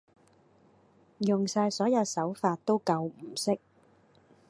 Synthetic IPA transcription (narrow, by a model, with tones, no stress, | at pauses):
jʊ˨˩ŋsaː˧jsɔː˨˥jɐ˨˧wsɐ˨˥wfaː˧t̚t̪o˥wkɐ˧wm̩˨˩sɪ˥k̚